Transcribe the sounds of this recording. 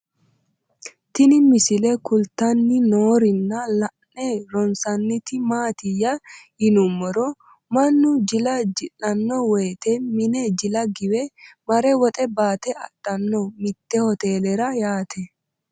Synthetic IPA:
t̪ɪnɪmɪsɪlɛkʊlt̪ɐnːɪnoːɾɪnːɐlɐnɛɾɔnsɐnːɪt̪ɪmaːt̪ɪjːɐhɪnʊmːɔɾɔ | mɐnːʊd͡ʒɪlɐd͡ʒɪlɐnːɔwɛːt̪ɛmɪnɛd͡ʒɪlɐɡɪwɛmɐɾɛwɔt̪ʼɛbaːt̪ɛʔɐ̰d̥ːɐnːɔmɪt̪ːɛhɔt̪eːlɛɾɐjaːt̪ʰɛ

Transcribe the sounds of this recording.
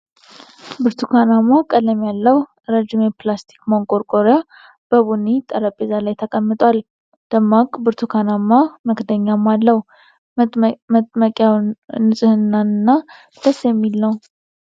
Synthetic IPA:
bɨɾt̪ʰukʰanamakʼələmjalːəw | ɾəd͡ʒɪmeplast̪ʰi̥kmoŋkʼoɾkʼoɾja | b̥əβunːit̪ʼələpʼːezalajt̪ʰəkʼəmːɨt̪ʼwal | d̪̥əmːakʼbɨɾt̪ʰukʰanamːaməkd̪əɲːamːalːəw | məkʼjawnɨsʼɨhɨnːanɨnːa | d̪̥əsjɛmːilnəw

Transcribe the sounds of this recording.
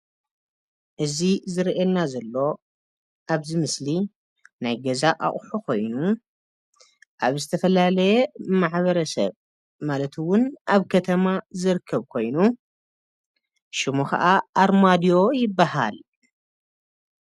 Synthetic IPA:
ʔɨzizɨɾʔelnazɐlːo̞ | ʔaβzɨmɨsli | najɡɐzaʔa̰ʔʼħukʰo̞jnu | ʔaβzɨt̪ʰɐfɐlalɐjɛmaʕβɐɾɐsɐ̰β | malɐt̪ʰwʊnʔaβkʰɐt̪ʰɐmazɨɾɨkʰːɐβkʰo̞jnu | ʃɪmuxɐ̰ʔaʔːɾmad̪ijo̞jɪbːaha̰l

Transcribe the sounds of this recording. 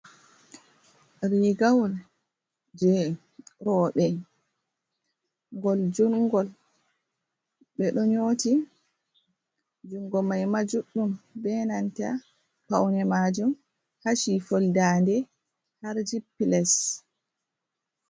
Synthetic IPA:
ɾiɡawɔl | d͡ʒɛ | ɾɔɓɛ | ŋɡɔld͡ʒunŋɡɔl | ɓɛɗɔɲoti | d͡ʒuŋɡɔmajmad͡ʒuɗːumbɛnanta̰ | pa̰wnɛmad͡ʒum | haʃifoldandɛ | haɾd͡ʒipːilɛs

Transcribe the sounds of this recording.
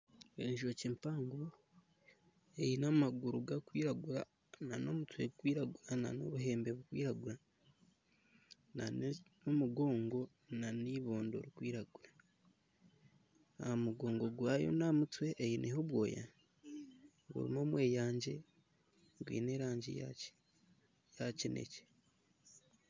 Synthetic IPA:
eːɲʒocimpaːŋɡo | ejinamaɡuɾuɡakwiːɾaɡuɾa̰ | nano̞̰mutwe̞ɡukwiːɾaɡuɾana̰no̞̰βuɦe̞ːmbe̞βukwḭːɾaɡuɾa | naneomuɡo̞ːŋɡo̞ | naniβo̞ːndo̞̰ɾikwiːɾaɡuɾa | ahamuɡo̞ːŋɡo̞ɡwaːjo̞̰namutwe̞ʔːjinʔeɦoβwo̞̰ːja̰ | ɡṵɾḭmo̞ːmwe̞ːjaːɲɟe̞ | ɡwḭːne̞ɾaːɲɟḭja̰c | jacinʔḛce̥

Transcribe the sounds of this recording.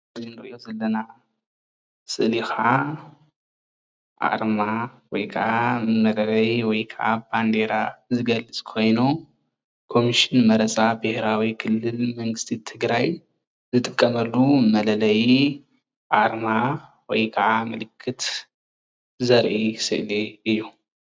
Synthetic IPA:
zinɨɾɨʔijo̞zɐlːɐna | sɨʔlixa | ʔa̰ɾmawɔjkʰɐʕamɐlɐlɐjwɔjkʰɐʕaband̪eɾazɨɡɐlɨt͡sʼkʰo̞jnu | kʰo̞miʃɪnmɐɾɐt͡sʼabɨhɾawikʰɨlːɨlmɐŋɡɨst̪ʰit̪ʰɨɡɾaj | zɨt̪ʼɨkʼːɐmɐlːumɐlɐlɐj | ʔaɾma | wɔjkʰɐʕamɨlɨkʰːɨt̪ | zɐɾʔisɨ̰ʔliɨjːu

